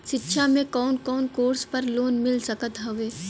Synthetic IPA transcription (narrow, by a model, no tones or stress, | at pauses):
ʃɪtːʃʰamẽkɔːnkɔːnkoːɾspɐɾloːnmɪlsɐkət̪ɦɐʋeː